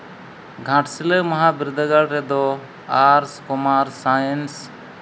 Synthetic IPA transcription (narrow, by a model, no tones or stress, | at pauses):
ɡʱãʈsiləmaɦabiɾd̪əɡaɽɾɛd̪ɔ | aɾskɔmaɾsajəns